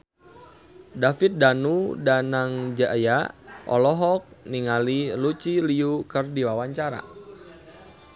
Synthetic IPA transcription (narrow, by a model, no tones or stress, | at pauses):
dafit̪̚danudanaŋd͡ʒajaʔɔ̰lɔɦɔk̚niŋalilut͡ʃiliukərdiwawaɲt͡ʃaɾa̰